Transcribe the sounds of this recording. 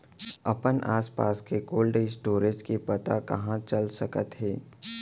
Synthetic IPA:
ɐpənʔaːspaːskekoːlɖesʈoːɾed͡ʒkepɐt̪akɐ̰ɦãt͡ʃɐlsəkət̪ɦɛː

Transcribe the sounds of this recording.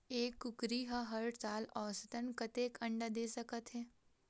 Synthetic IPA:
eːkːʊkɾiɦaɦɐɾsaːlɔːsət̪ənkɐt̪eːkʰɐ̃ɳɖad̪eːsəkət̪ɦɛː

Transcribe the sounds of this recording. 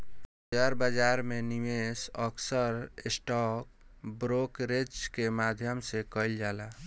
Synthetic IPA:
əɾbəd͡ʒaɾmeniʋesɔksəɾsʈɔk̚bɾokɾed͡ʒkemad̪ʱjəmsekəld͡ʒala

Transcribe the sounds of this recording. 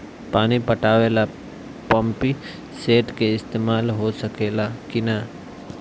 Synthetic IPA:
paːnipɐʈaːʋeːla | pə̃mpi | seːʈkeɪst̪eːmaːlɦosɐkeːlakina

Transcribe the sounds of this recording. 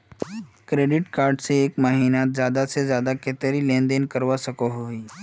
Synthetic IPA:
kɾeːɖɪʈkaːɾɖseeːkmaːɦiːnat̪zjaːd̪asezjaːd̪aket̪eɾilẽːnd̪eːnkəɾʋasɐkoɦoiː

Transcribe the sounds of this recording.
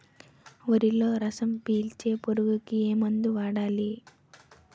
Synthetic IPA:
ʋɐɾilo̞ːɾɐsɐmpiːlt͡ʃe̞ːpoɾuɡukieːmɐnd̪uʋaːɽaːli

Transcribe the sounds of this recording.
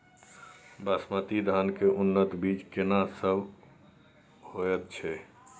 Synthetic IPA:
bəsmət̪id̪ʱankeʔunːət̪bid͡ʒkenasəbʱ | hojɛt̪̚t͡ʃʰɛ

